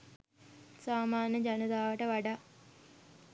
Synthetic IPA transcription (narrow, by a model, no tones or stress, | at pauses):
saːmaːnjəd͡ʒɐnəd̪aːʋəʈəʋaɖa